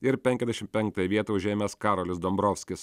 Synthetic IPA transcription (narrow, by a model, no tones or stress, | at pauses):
ɪɾpʲɛŋʲkʲɛzʲd̪ʲɛʃʲɪmt̪̚ʲpʲɛŋk̚t̪ɐjʋʲiɛt̪ɐʊʒʲeːmʲɛskɑːɾoːlʲɪsd̪ɔmbɾoːfʲsʲkʲɪs